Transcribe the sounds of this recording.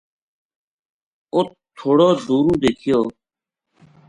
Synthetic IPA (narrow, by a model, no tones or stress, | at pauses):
ʊt̪̚t̪ʰːoːɽoːduːɾũːd̪eːkʰɪjoː